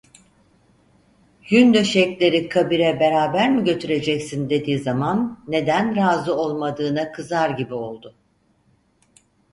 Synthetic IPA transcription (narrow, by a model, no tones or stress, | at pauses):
jynd̪øʃɛclʲe̞ɾikʰabiɾɛbe̞ɾaːbæɾmiɟø̞t̪ʰyɾe̞d͡ʒɛcsind̪e̞d̪iːzamanːe̞d̪ænɾaːzɯo̞lˠmad̪ɯːnakʰɯzaɾɟibio̞lˠd̪ʊ